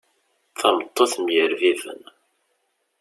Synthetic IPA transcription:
θɑmət̪ˤːoθmjəɾviðə̰n

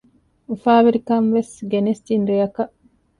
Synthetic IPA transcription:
ufaːʋiɾikɐnʋesɡenest̪inɾejɐkɐʔ

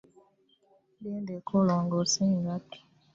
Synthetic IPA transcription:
bendekʰolɔŋɡɔsiŋɡati̥

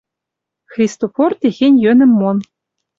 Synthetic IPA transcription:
xrʲist̪ofort̪ʲeɣʲenʲjønɘ̆mːon

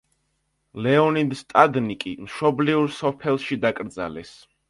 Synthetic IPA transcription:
lɛɔnid̪st̪ʼad̪nikʼimʃɔbliuɾsɔpʰɛlˠʃid̪akʼɾd̪za̰lɛs

